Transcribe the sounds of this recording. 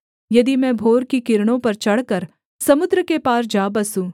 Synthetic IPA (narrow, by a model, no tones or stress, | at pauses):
jɐd̪imɛ̃ːbʱoːɾkikɪɾɽ̃õpɐɾt͡ʃɐɽ̤kəɾ | sɐmʊd̪ɾəkepaːɾd͡ʒaːbɐsũː